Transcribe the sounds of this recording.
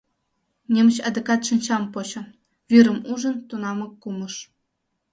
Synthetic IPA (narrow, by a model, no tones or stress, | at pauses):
nʲemɕɑd̪ɤkɑt̪ʂɘnʲt͡ɕɑmpot͡ɕɤ̆ | ʋʲiɾɤ̆muʐɤ̆nt̪unɑmɤ̆kːumɤ̆ʂ